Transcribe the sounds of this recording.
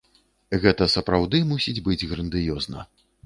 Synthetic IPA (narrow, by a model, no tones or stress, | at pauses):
ɣɛt̪ɐsɐpɾawd̪ɨmusʲid͡zʲbɨd͡zʲɣɾɐnd̪ɨjɔznɐ̰